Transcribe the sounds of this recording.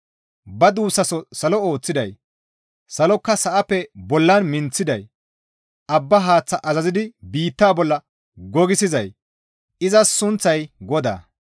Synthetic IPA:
bɐd̪uːsɐsɔsɐlɔo̞ːt͡sːɪd̪ɐj | sɐlɔkːɐsɐʔɐpːɛbɔlːɐnmɪnt͡sːɪd̪ɐj | ʔɐbːɐɦaːt͡sːɐʔɐzɐzɪd̪ɪbiːt̪ːaːbɔlːɐ | ɡɔɡɪsɪzɐj | ɪzɐsʊnt͡sːɐjɡɔd̪a̰ː

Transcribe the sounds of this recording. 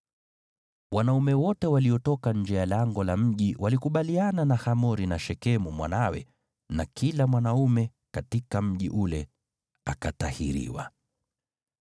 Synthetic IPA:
wanaumɛwɔtɛwaliɔtɔkaɲd͡ʒɛjalaŋɡɔlam̩ʄiwʔalikuɓaliananahamɔɾinaʃɛkɛmumwa̰nawɛ̰ | nakʰilamwanaumɛ | katikam̩ʄiʔulɛ | akatahḭɾḭwa̰

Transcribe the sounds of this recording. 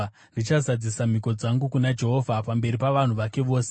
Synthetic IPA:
ndit͡ʃazad͡zisam̤iko̞d͡zaŋɡukunad͡ʒe̞ɦo̞vʱapambe̞ɾipaʋan̤uʋake̞ʋoːse

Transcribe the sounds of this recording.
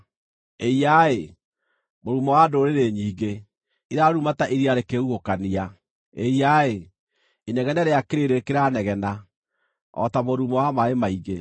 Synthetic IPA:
eiae | moɾumɔwadoɾeɾeɲiːɡe | iðaɾumataʔiɾiaɾekeuɣokania | eiae | inɛɣɛnɛɾeakeɾeɾekeɾanɛɣɛna | ɔ̰tamoɾumɔwamaemaiɣe

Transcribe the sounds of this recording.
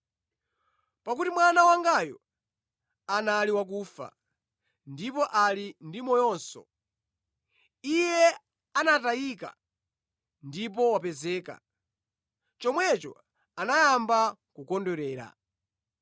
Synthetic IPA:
pak̬utimwanawaŋɡajɔ̰ | analiwak̬uːfa̰ | ndipɔʔalindimɔjɔnsɔ̰ | ijɛ | anataika̰ | ndip̬ɔwapɛzɛːka̰ | t͡ʃɔmwɛt͡ʃɔ̰ | anajambakukɔndɔɾɛːɾa̰

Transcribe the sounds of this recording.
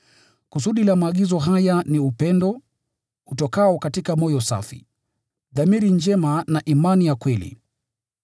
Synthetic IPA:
kusuɗilamaːɠizɔɦajaniupɛndɔ | utɔkaɔkatikamɔjɔsa̰fḭ | ðamiɾind͡ʒɛmanaʔimanijakwɛlḭ

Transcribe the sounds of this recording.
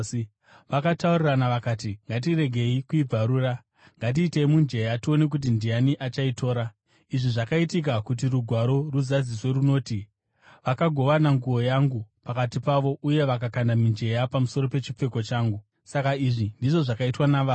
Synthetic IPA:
ʋakatauriranaʋakaːtiŋɡat̬ire̞ɡʱe̞ikuib͡vʱaɾuːra | ŋɡat̬iːte̞imund͡ʒe̞jatio̞ne̞k̬ut̬indijaniʔat͡ʃaitʰo̞ːɾa | iʐiʐakaitik̬akut̬iruɡʱwaɾo̞ruzad͡ziswe̞ɾuno̞ːti | ʋakaɡʱo̞ʋanaŋɡuwo̞jaŋɡupakatipaʋo̞ʔuje̞ʋakakandamind͡ʒe̞japamuso̞ɾo̞pe̞t͡ʃip͡fe̞ko̞t͡ʃaːŋɡu | sakaiʐindiʐo̞ʐakaitwanaʋaː

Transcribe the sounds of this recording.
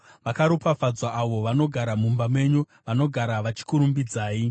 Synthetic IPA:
ʋakaɾopafad͡zwaʔːʋo̞ʋano̞ɡʱaɾamumbamwe̞ɲo | ʋano̞ɡʱaɾaʋat͡ʃi̥kuɾumbid͡zaːi

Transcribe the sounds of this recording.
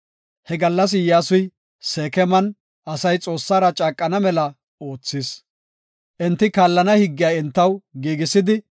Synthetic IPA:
hɛɡɐlːɐs̬jaːsʊj | seːkɛmɐn | ʔɐsɐjt͡sʼo̞ːsːaːɾɐt͡ʃʼaːkʼːɐnɐmɛlɐ | o̞ːt͡sːɪs | ʔɛnt̪ːɪkaːlːɐnɐhɪɡːɪjaːɛnt̪ːɐwɡiːɡɪsɪd̪ɪ

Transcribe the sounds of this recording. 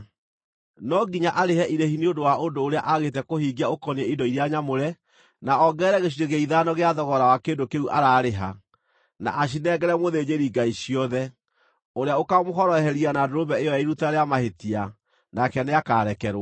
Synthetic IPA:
nɔɡiɲaʔaɾehɛʔiɾehiniodowaʔondoːɾea̰ʔaɣetɛkohiːɡiaokɔniɛidɔiɾeaɲamoɾɛ | naɔɡɛɾɛɣeɕ̬iɾeɣeiðanɔɣeaðɔɣɔɾawakeːndokeuʔaɾaːɾeɦa̰ | na̰ʔaʃ̬inɛːɡɛɾɛmoðed͡ʑeɾiɡaiɕijɔðɛ | oɾeaokamoɦɔɾɔɛhɛɾianadoɾoβɛejɔjaiɾutaɾeamahetia | nakɛneakaɾɛkɛɾwa

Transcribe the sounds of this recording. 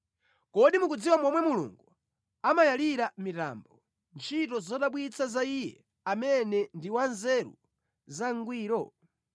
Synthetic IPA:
kɔɗimukud͡ziwamɔmwɛmulṵŋɡu | amajaliɾamita̰mbɔ | nt͡ʃʰitɔzɔɗaɓwit͡sʰazaijɛ̰ | amɛnɛndiwanzɛɾṵ | zaŋɡwiːɾɔ

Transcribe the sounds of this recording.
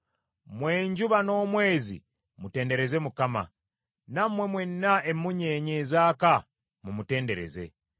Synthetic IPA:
mwe̞ːɲɟuβano̞ːmwe̞ːzḭ | mute̞ːnde̞ɾe̞ze̞mukama̰ | namwe̞mwenːaʔemːuɲeːɲeːzaːka | mumute̞ːnde̞ɾe̞̰ze̞̰

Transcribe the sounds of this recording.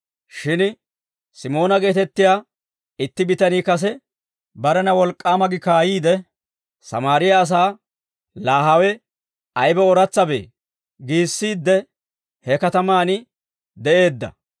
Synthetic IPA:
ʃɪn | sɪmo̞ːnɐɡe̞ːt̪ɛt̪ːɪjaː | ɪt̪ːɪbɪt̪ɐniːkɐs̬ɛ | bɐɾɛnɐwɔlkʼːaːmɐɡɪkaːjiːd̪ɛ | sɐ̰maːɾɪjɐːs̬aː | laːɦɐwɛ | ɐjbɛɔɾɐt͡sːɐbḛː | ɡiːsːiːd̪ːɛ | hɛkɐt̪ɐmaːnɪ | d̪ɛʔe̞ːd̪ːɐ̰

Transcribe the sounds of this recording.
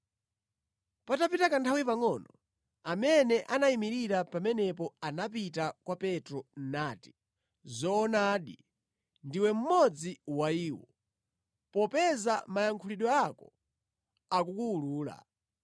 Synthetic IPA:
patapitakantʰawipaŋɔnɔ | amɛnɛʔanaimiɾiɾapamɛnɛpɔanap̬itakwapɛtɾɔn̩naːti̥ | zɔːnaːɗi | ndiwɛm̩mɔd͡ziwaiːwɔ̰ | pɔpɛzamajaŋkʰuliɗɔakɔ | akukuːluːla̰

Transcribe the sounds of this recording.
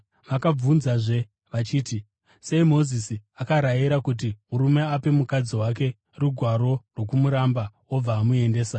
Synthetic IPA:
ʋakab͡vunzaʐe̞ | ʋat͡ʃiːti | seimo̞zisiakaɾajiɾakut̬imuɾume̞ape̞mukad͡ziwak̬e̞ | ruɡʱwaɾo̞rwo̞kumuɾamba | ob͡vaːmue̞nde̞ːsa

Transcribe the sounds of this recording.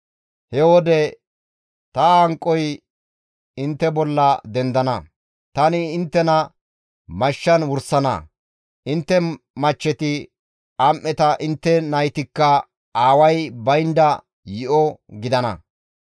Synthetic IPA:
hɛwɔd̪ɛ | t̪ɐɐŋkʼːɔj | ɪnt̪ːɛbɔlːɐd̪ɛnd̪ɐnɐ | t̪ɐnɪːnt̪ːɛnɐ | mɐʃːɐnwʊɾsɐnɐ̰ | ʔɪnt̪ːɛmɐt͡ʃːɛt̪ɪ | ɐmʔːɛt̪ɐʔɪnt̪ːɛnɐjt̪ɪkːɐ | aːwɐjbɐjnd̪ɐ | jɪʔɔɡɪd̪ɐnɐ̰

